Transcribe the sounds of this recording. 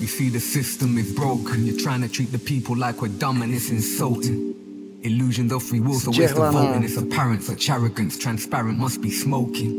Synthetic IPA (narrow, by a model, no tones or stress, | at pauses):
jɨsiðɨsɪstə̃mɨðbɹɔʊɡɨ̃njətʰɹ̥aɪɪ̃ŋtʰɨtʰɹ̥it̪̚ðɨpʰipʰəl̩ˠlaɪkwədʌ̃mɨ̃nɪsɪ̃nsʌlˠtɪ̃ŋ | ɪlʉʒɨ̃nzɔfɹiwɔsoʊweɪstfɔʊʔɨ̃nɨsəpʰɛɹɨ̃ntsɨt͡ʃæɹɨɡɨ̃nstʰɹ̥æ̃nspɛɹɨ̃nʔmʌsb̥ismoʊkʰɪ̃ŋ